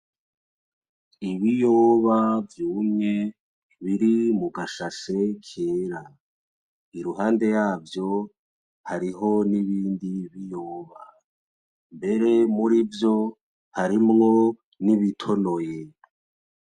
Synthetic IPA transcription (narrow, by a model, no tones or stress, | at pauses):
iβijoβavjuːmŋe̞ | βiɾimuɡaʃase̞kʰeːɾa | iɾuɦaːnde̞jaːvjo̞ | haɾiɦo̞niβiːndiβijoːβa | mbe̞ɾe̞muɾivjo̞ | haɾimŋo | niβitʰo̞no̞je